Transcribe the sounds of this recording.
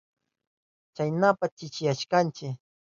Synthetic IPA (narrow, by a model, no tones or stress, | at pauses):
t͡ʃajnapat͡ʃɪt͡ʃɪjaʃkant͡ʃɪ